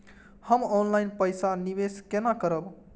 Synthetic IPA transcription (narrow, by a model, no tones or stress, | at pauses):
həmɔnlajnpəjsanibeskenakəɾəb